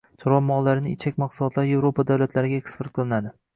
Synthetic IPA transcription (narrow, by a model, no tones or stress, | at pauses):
t͡ʃʰɒɾwɒmːɒʁlaɾɪnɪɪt͡ʃʰak̚ʲmɑqsʊlˠɒt̪ʰlaɾɪje̞vɾopad̪awlat̪ʰlaɾɪɡʲaekspoɾt̪̚qʰɨlˠɪnad̪ɪ